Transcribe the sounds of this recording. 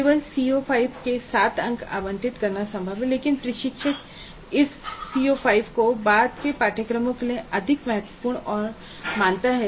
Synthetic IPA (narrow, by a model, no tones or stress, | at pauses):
ʋəlsiːopʰaːɪbkesaːt̪ʰɐ̃ŋkʰa̰ːʋə̃nʈ̪ɪt̪kɐɾnasɐ̃mbʱəʋɦɛleːkɪnpɾɪʃɪkʃək̪ | ɪsːiːopʰaːɪbkobaːd̪kepaːʈəkɾəmõkeliẽɐd̪ʱɪkmɛɦət̪wəpuːɾɽ̃ɔːɾ | maːnt̪aɦɛ